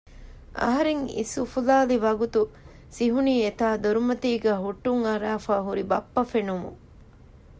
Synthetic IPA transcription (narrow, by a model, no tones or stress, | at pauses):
ʔɐ̰ɦɐɾeŋḭsufulaːliʋɐɡut̪u | siɦuniːet̪aːd̪uɾumɐt̪iːɡæːɦuʈːuŋɐɾaːfaːɦuɾibɐpːɐfenumṵ